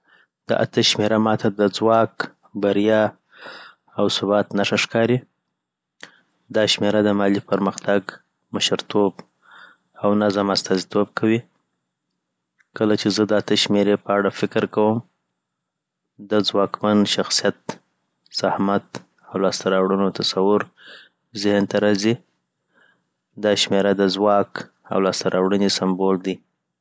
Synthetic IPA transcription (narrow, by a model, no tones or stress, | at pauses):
d̪̥ə̰ʔa̰t̪əʃmeɾamɑt̪ʰad̪əd͡zwɑk | baɾjɑ | awsʊbɑt̪naʂaʃkɑɾi | d̪ɑʃmeɾad̪əmɑlipəɾməxt̪aɡ | məʃəɾt̪ʰob | awnazamast̪ɑzit̪ob̚kʰawi | kəlat͡ʃezəd̪at̪əʃmeɾepəaɽafɪkɾkawəm | d̪əzwɑkmanʃaxsijat̪ | sahmat̪ | awlɑst̪aɾɑwɽənot̪asawʊɾ | zɪhnt̪aɾɑzi | d̪ɑʃmeɾad̪əzwɑk | a̰wlɑst̪aɾʔɑwɽənesambold̪i